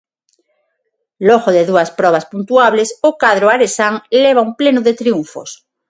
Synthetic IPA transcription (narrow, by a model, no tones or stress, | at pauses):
loɣoðeðuaspɾɔβ̞aspunt̪uaβlesokaðɾoaɾesaŋleβ̞aumplenoðet̪ɾiuɱfo̰s